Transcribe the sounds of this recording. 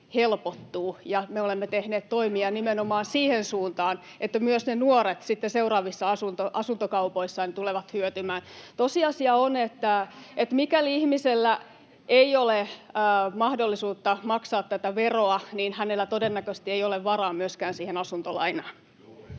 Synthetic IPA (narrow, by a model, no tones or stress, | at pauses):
helpot̪ːuːjɑmeolemːet̪ehneːt̪t̪oimiɑnimenomɑːnsiːhensuːnt̪ɑːn | ʔet̪ːæmyøsnenuoret̪sit̪ːeseurɑːʋisːɑɑsunt̪oʔɑsunt̪okɑupoisːɑnt̪uleʋɑt̪hyøt̪ymæːnt̪osiɑsiɑonet̪ːæet̪mikæliihmiselːæ | eiole | mɑhdolːisuːt̪ːɑmɑksɑːt̪t̪æt̪æʋeroɑniːnhænelːæt̪odenːækøst̪iejoleʋʋɑrɑːmyøskæːnsiːhenɑsunt̪olɑ̰inɑːn